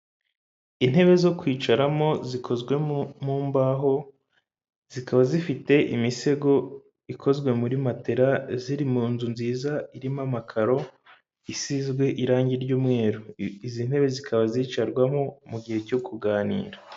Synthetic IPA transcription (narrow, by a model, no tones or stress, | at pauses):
in̥he̞βe̞zo̞kwiːt͡ʃaɾamo̞zikʰo̞zɡwe̞muːmbaɦo̞ | z̥ikʰaβazifite̞ʔimise̞ɡo̞ | ikʰo̞zɡwe̞muɾimate̞ɾaziɾimuːnzunziːzaiɾimamakʰaɾo̞ | isizɡwe̞ʔiɾaːɲɟiɾɟuːmŋe̞ːɾuizin̥he̞βe̞zikʰaβaziːt͡ʃaɾɡwamo̞muɡihe̞co̞kuɡaːnḭːɾḁ